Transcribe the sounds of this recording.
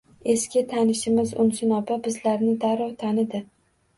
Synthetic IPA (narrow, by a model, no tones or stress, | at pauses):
e̞skʲʰɪt̪ʰanɪʃɪmɪzʊ̰nsɪnɒbabɪzlaɾnɪd̪aɾɒt̪ʰanɪd̪ɪ